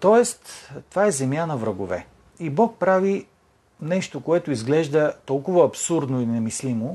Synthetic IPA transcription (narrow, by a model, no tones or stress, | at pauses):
t̪ɔɛst̪t̪ovaɛzɛmjanɐvɾɐɡovɛ̰ | ibɔk̚pɾavi | nɛʃt̪okoɛt̪ʊizɡlɛʒd̪ət̪ɔlˠkʊvɐːpsuɾd̪noinɛmislimo